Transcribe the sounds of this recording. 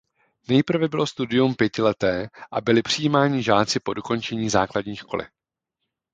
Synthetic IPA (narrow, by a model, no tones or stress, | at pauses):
nɛjpr̩vɛbɪlo̞st̪udɪjumpjɛcɪlɛt̪ɛːʔabɪlɪpr̝̥ɪjiːmaːɲɪʒaːt͡sɪpo̞doko̞nt͡ʃɛɲiːzaːkladɲiːʃko̞̰lɪ̰